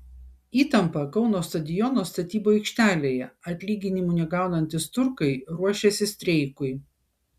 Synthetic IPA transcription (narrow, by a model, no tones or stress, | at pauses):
iːt̪ɐmpɐkɒʊnoːst̪ɐd̪ʲɪjɔnoːst̪ɐt̪ʲiːboːɛɪkʃʲt̪ʲæːlʲeːjɛɐt̪ʲlʲiːɡʲɪnʲɪmunʲɛɡɑˑʊnɐnʲt̪ʲɪst̪ʊɾkɐɪɾuɔʃʲesʲɪsʲt̪ʲɾʲɛɪkʊɪ